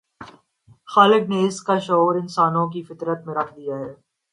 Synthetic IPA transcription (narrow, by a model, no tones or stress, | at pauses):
xaːlɪɡneːɪskaʃɔːɾɪnsaːnõk̬ifɪt̪ɾət̪mẽɾɐkʰd̪ijaɦɛː